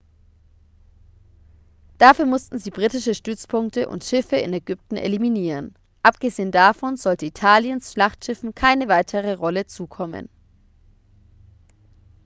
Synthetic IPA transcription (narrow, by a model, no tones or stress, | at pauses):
d̥afyːɐmʊstn̩ziːbʁiːtɪʃəʃtʏt͡spʰʊŋktəʔʊ̰ntʃɪfəɪ̰nɛɡʏp̚tn̩ʔḛliminiːʁən | ʔapɡ̥əzeːəndafɔnzɔltəitʰaːljənsʃlaχtʃɪfn̩kʰaɪnəvaɪtʰəʁ̞əʁɔlət͡suːkʰɔmə̰n